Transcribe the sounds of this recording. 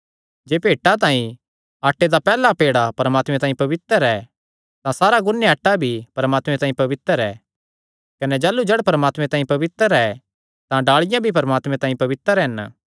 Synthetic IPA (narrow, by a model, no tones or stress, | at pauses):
d͡ʒeːpeːʈːat̪̬ãːĩ | aːʈːed̪apɛːlapeːɽapɐɾəmaːt̪mɛ̃t̪aːĩpɐʋɪt̪əɾɛ | t̪ãsaːɾaɡʊnːeaːʈːabʱipɐɾəmaːt̪mɛ̃t̪ãːĩpɐʋɪt̪əɾɛ̰ | kɐnɛd͡ʒaːlud͡ʒɐɽpɐɾəmaːt̪mɛ̃t̪ãːĩpɐʋɪt̪əɾɛ | t̪ãɖaːɭɪjãbʱipɐɾəmaːt̪mɛ̃t̪ãːĩpɐʋɪt̪ːəɾɛn